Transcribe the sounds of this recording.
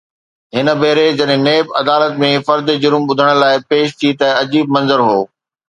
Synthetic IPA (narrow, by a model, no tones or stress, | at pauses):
ɦɪnə̆bʱeːɾed͡ʑɐɗɦɪ̃neːbɐd̪aːlət̪mẽfɐɾd̪d͡ʑʊɾmɓʊd̪ʱəɽ̃laːɪpeːʃt̪ʰit̪ɐɐd͡ʑiːb̚mɐ̃nzəɾɦoː